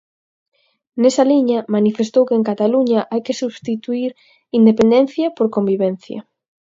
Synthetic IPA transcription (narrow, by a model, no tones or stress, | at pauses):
nesɐliɲɐmanifest̪owkeːŋkat̪aluɲaʔajkesuβst̪it̪uiɾ | ind̪epend̪en̟θjɐpoɾkombiβɛnθjɐ̰